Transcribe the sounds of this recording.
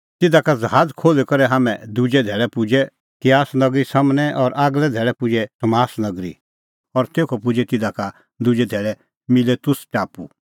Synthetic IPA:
t̪ɪd̪akad͡zɦaːd͡zkʰoːlɛkɐɾɛɦaːmɛ̃d̪ʊd͡ʒɛd̪ʱɛːɭɛpʊd͡ʒɛ | t̪ɪjaːsnɐɡɾisɐmnɛʔɔːɾʔaɡlɛd̪ʱɛːɭɛpʊd͡ʒɛt̪ɐmaːsnɐɡɾḭ | ɔɾt̪eːkʰɔpʊd͡ʒɛt̪ɪd̪aka | d̪ʊd͡ʒɛd̪ʱɛːɭɛ | mɪlet̪ʊst͡ʃaːpṵ

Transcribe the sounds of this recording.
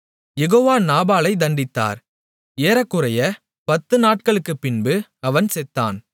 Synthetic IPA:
jɛɣoːʋaːnaːbaːlɐɪd̪ɐɳɖɪt̪ːa̰ːɾ | eːɾɐkːɯɾɐjɐ | pɐt̪ːɯnaːʈ̚kɐɭɯkːɯpːɪnbɯɐʋɐnsɛt̪ːa̰ːn

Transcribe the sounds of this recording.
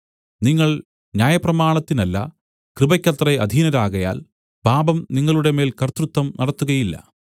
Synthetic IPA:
niŋːɐɭ | njaːjɐprɐmaːɳɐt̪ːinɐlːɐ̰ | krɨbɐkʲːɐt̪rɐɐd̪ʱiːnɐɾaːɣɐja̰ːl | b̥ʱaːbɐmniŋːɐɭuɽe̞meːlkɐrt̪rut̪ːɐmnɐɽɐt̪ːuɣɐjilːɐ̰

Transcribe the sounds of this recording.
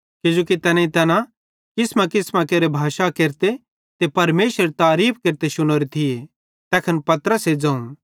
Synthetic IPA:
kɪd͡ʒoːkit̪ɛːnẽĩt̪ɛːnã | kɪsmãkɪsmãkeːɾebʱaːʃakeːɾt̪e | t̪epɐɾmeːʃəɾt̪aːɾiːpkeːɾt̪eʃʊñoːɾit̪ʰie | t̪ɛːkʰənpɐt̪əɾəsɦed͡zɐ̃ːũ

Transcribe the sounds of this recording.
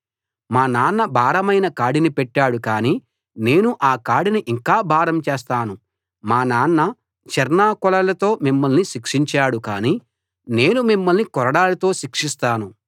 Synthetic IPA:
maːnaːnːɐbʱaːɾɐmɐjnɐkaːɽinipɛʈːaːɽukaːniː | ne̞ːnuʔaːkaːɽiniʔiŋkaːbʱaːɾɐmt͡ʃeːst̪aːnu | maːnaːnːɐ | t͡ʃɛɾnaːkɔlɐlɐt̪o̞ːmimːɐlniʃikʂiɲt͡ʃaːɽukaːniː | ne̞ːnumimːɐlnikɔɾɐɽaːlɐt̪o̞ːʃikʂist̪aːnu

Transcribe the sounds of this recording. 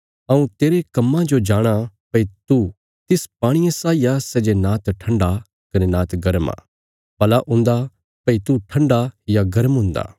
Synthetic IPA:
ɐũt̪eːɾekɐmːãd͡ʒod͡ʒaːɽ̃apɐit̪u | t̪ɪspaːɽ̃ijẽsaːijasɛd͡ʒenaːt̪ʈʰɐ̃ɳɖa | kɐnenaːt̪ɡɐɾma̰ː | pɐlaʔʊ̃nd̪a | pɐit̪uʈʰɐ̃ɳɖajaɡɐɾəmɦʊ̃ːnd̪a̰ː

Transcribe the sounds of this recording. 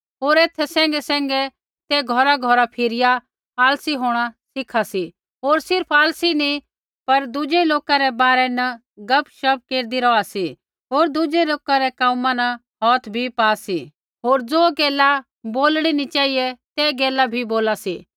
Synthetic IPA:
ɦoːɾeːt̪ʰːɛsɛ̃ːŋ̆ɡɛsɛ̃ːŋɡɛ | t̪ɛɡʱɔɾaɡʱɔɾapʰɪɾɪja | aːlsiɦoːɽ̃asɪkʰasi | ɦoːɾsɪɾpʰaːlsini | pɐɾd̪ʊd͡ʒeloːkaɾɛbaːɾɛnɐ | ɡɐpʰʃɐb̚keːɾd̪iɾɔasi | ɦoːɾd̪ʊd͡ʒeloːkaɾɛkãːmãnɐ | ɦɔːt̪ʰbʱipaːsi | ɦoːɾd͡zoːɡɛːla | boːlɽ̃init͡ʃaːijɛt̪ɛɡeːlabʱiboːlasiː

